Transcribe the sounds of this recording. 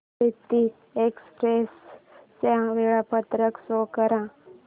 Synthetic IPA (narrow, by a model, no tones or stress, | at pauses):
it̪ːi | ekspɾest͡ɕãʋeɭapət̪ɾəksokəɾã